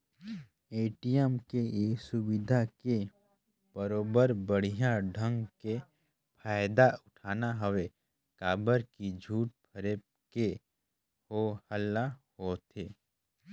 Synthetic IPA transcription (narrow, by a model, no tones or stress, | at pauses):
eːʈijəmkeesʊbɪd̪ʱake | b̥əɾoːbəɾbəɽ̤ijãɖʱə̃ŋɡke | pʰaːjd̪aʊʈʰaːnaɦəʋe | kaːbəɾkid͡ʒʱuːʈ̚pʰəɾe | ke | hohəlːahoːt̪ʰeː